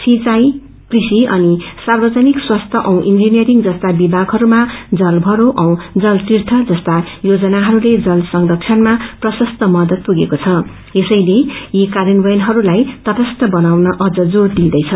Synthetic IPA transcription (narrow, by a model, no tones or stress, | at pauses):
sit͡saj | krisiʌnisarbʌd͡zanikswast̪ʰʌʔʌw̃ʔind͡zinijʌɾiŋd͡zʌst̪abibʱaɡɦʌɾumad͡zʌlbʱʌɾoʔʌ̃w̃d͡zʌlsirt̪ʰʌd͡zʌst̪a | jod͡zʌnaɦʌɾuled͡zʌlsʌŋd̪ʌk̚t͡sʰʌnmaprʌsʌst̪ʰʌmʌd̪ʌt̪̚puɡekot͡sʰʌ | esʌjlejikaɾinbʌjʌnɦʌɾulajt̪ʌpʌst̪ʰʌbʌnawnʌʔʌd͡zʌd͡zord̪ĩd̪ʌjt͡sʰʌ